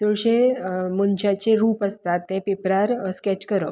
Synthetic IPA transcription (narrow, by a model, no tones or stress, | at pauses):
t̪oɭɕemənɕat͡ɕeɾuːpəst̪at̪ːɛ̃pepɾaɾəskɛt͡ɕkəɾəp